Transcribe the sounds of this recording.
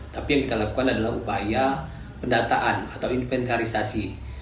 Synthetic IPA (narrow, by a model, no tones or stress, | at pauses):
t̪apijaŋkit̪alakukanadalaɦupaja | pəndat̪aʔanat̪awinfɛnt̪aɾisasi